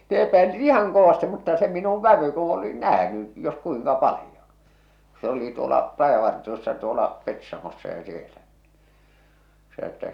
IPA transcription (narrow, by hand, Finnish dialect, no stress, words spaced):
ne epæilit ihɑŋ koʋɑsti mutːɑ se minuʋ ʋæʋy ku oli næhny jos kuiŋkɑ pɑlĭjon̥ ku̥ se oli tuolɑ rɑjɑʋɑrtiosːɑ tuolɑ petsɑmosːɑ jɑ sielæ se sɑ̆n̆ŏ etːæ